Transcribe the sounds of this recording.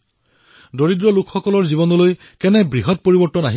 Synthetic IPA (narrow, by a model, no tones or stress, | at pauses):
doɹidɹɔlukʰxɔkɔlɔɹzibɔnɔloj | kɛnɛbɹiɦɔt̚poɹibɔɹtɔnaɦi